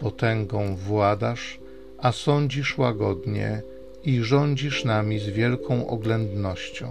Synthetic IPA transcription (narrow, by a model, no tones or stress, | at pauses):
pɔt̪ɛŋɡɔ̃w̃vwad̪aʂ | asɔɲd͡ʑiʂwaɡɔd̪ɲɛ̰ | iʐɔɲd͡ʑiʂnamʲizvʲjɛlkʰɔ̃w̃ʔɔ̰ɡlɛnd̪nɔɕt͡ɕɔ̰̃w̃